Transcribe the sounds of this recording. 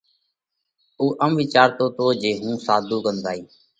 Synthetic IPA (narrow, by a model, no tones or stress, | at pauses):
uːʔəmʋiːt͡ʃaːɾt̪oːt̪oːd͡ʒeːɦũːsaːd̪ʱuːkənd̪aːiː